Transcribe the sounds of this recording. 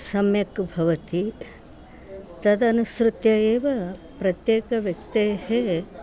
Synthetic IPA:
sɐmjɐkbʱɐʋɐt̪i | t̪ɐd̪ɐnusɾut̪jɐeːʋɐpɾɐt̪jeːkɐʋjɐk̚t̪eːhe

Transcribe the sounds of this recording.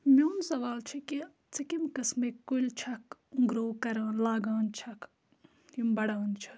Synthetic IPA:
mewnsɐʋaːlt͡ʃʰiki | t͡sʰɐkimkɐsmekːujlt͡ʃʰɐkuŋɡɾoːkɐɾaːnlaːɡaːnt͡ʃʰɐk | imbɐɽaːnt͡ʃʰɐ̥

